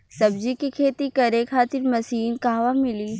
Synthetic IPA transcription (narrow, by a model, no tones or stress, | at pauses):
sɐbd͡ʒikikʰeːt̪ikɐɾekʰaːt̪ɪɾmɐsiːnkaːʋamɪli